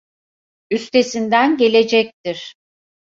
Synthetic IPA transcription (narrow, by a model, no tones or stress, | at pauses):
yst̪ʰe̞sind̪ænɟe̞lʲe̞d͡ʒɛc̚t̪ʰiɾ̥